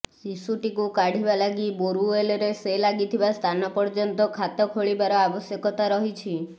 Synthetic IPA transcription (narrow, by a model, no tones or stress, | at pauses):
sisuʈikukaɽ̤ʱibalaɡiboɾueleɾeselaɡit̪ʰibast̪ʰanɔpɔɾd͡ʒɔnt̪ɔkʰat̪ɔkʰoɭibaɾɔabɔsjɔkɔt̪aɾɔɦit͡ʃʰi